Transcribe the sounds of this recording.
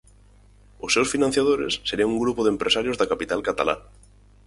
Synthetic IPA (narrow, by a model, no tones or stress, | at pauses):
ʊsːewsfinan̟θjaðoɾḛsːeɾiŋuŋɡɾupʊðempɾʔesaɾjʊzðakapit̪alkat̪a̰la̰